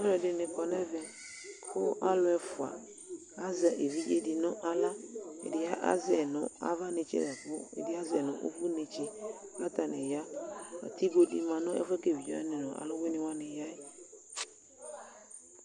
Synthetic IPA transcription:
ɛ˦ɾɔ˨dɪ˨nɪ˨kɔ˨nɛ˦vɛ˨ | kʰʊ˦ʔa˦lʊ˦ɛ˨fʊ˨a̰˨ | a˦za˨ʔe˨vi˦e˨dɪ˨nʊ˦ʔa˦la˦ḛ˨dɪ˨˦a˦ʔa̰˦zɛ˨nʊ̃˦a̰˦va˦nɪ˨t͡ʃɛ̰˦za˨kʊ˦ḛ˨dɪ˦a˦zɛ˨nʊ̰̃˨ʔṵ˦fu˦ne˨t͡ʃe˦la˦ta˨nɪ˨ja˦a̰˨ti˦ɡo˦di˦mã˨nʊ̃˦ɛ̰˦fɛ˦ke˦˨vi˨d͡ʒɔ̰˦ɛ̰˦nɪ̃˨nʊ̃˨a̰˨lʊ˦we˦nɪ˦wa˦nɪ˨ja˦ɪ˦

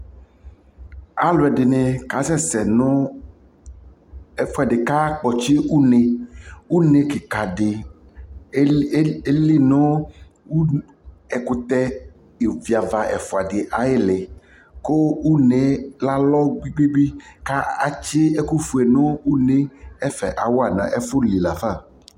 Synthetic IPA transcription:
a˦lʊ˨ɛ˨dɪ˨nẽ˨ka˨˦sɛ˦sɛ˨nʊ˦ | ɛ˨fʊ˦˨a˨dɪ˨ka˦k͡pɔ˨t͡ʃɪ˦u˦ne˨wu˦ne˨kɪ˨ka˨dɪ˨˦ | e˦li˦nʊ˦ | u˦ | ɛ˨kʊ˨t̪ɛ˦ | e˨vi˨a˨va˨ʔɛ̰˨fʊ˨a˨dɪ˨ʔa˨jɪ˦lɪ˨ | ko˦u˦ne˨la˦lɔ˦ɡ͡bi˦ɡ͡bi˦ɡ͡bi˦ka˦a˦t͡ʃɪ˦ɛ˦ku˦fu˨ɛ˨nʊ̃˦u˦ne˦ɛ˦fɛ̰˨ʔa̰˨wo˦a˦˨nã̰˨ʔɛ˦fʊ˦li˨la˨fa˦˨

